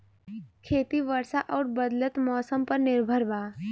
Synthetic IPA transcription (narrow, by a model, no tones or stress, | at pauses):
kʰeːt̪iʋəɾsaʔɔːɾbəd̪lət̪mɔːsəmpəɾnɪɾbʱəɾbaː